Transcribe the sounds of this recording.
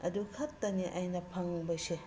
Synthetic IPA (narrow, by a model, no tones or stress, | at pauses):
ɐ̰dukʰɐtːɐniʔɐjnɐpʰɐŋbɐjse